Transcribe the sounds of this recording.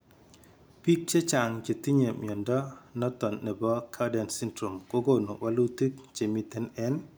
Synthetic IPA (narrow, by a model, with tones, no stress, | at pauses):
pi˦k̚t͡ʃe˦t͡ʃa˨ŋd͡ʒe˨t̪i˦ɲe˨mjɔ˨ndɔ˦nɔ˦t̪ɔ˨nːɛ˨bɔ˦kʰa˦dɛ˨nsi˦ndɾo˨mko˦ɡo˦no˨wʔa˦lu˦ti˦kt͡ʃe˨mi˨t̪ɛ˦nɛ˦n